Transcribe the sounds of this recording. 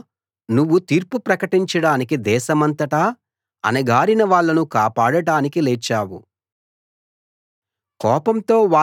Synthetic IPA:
nuʋːut̪iːɾpupɾɐkɐʈiɲt͡ʃɐɽaːnikid̪ɛːʃɐmɐnt̪ɐʈaː | ɐ̰nɐɡaːɾinɐʋaːɭːɐnukaːpaːɽɐɽaːnikilɛːt͡ʃːaːwṵ | kɔːpɐmt̪o̞ːʋaː

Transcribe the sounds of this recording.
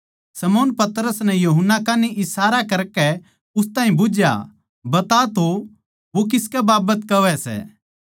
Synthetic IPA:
sɐmoːnpɐt̪ɾəsnɛjuɦʊnːakaːniʔɪsaːɾakɐɾkɛ | ʊst̪ãːɦĩbʊd͡ʒja̰ | bɐt̪at̪o | ʋok̬ɪskɛbaːbət̪kɐʋɛsɛ̰ː

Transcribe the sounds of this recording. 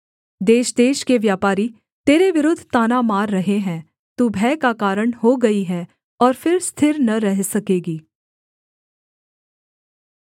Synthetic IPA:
d̪eːʃd̪eːʃkeʋjaːpaːɾi | t̪eːɾeʋɪɾʊd̪ʱt̪aːnamaːɾːɐɦeɦɛ̃ː | t̪ubʱɛːkakaːɾəɽ̃hoɡɐiɦɛ | ɔːɾfɪɾst̪ʰɪɾnɐɾɛɦsɐkeːɡiː

